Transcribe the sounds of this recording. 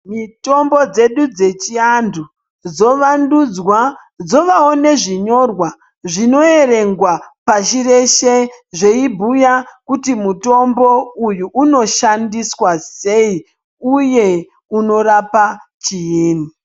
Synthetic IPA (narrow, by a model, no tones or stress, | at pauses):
mito̞mbo̞d͡ze̞ɗud͡ze̞t͡ʃiandu | d͡zo̞ʋandud͡zwa | d͡zo̞ʋaone̞ʐiɲo̞rwa | ʐino̞e̞ɾe̞ŋɡwapaʃire̞ʃeʐe̞ibʱujakutimuto̞mbo̞ujuʔːno̞ʃandiswase̞i | uje̞ | uno̞ɾapat͡ʃijiːni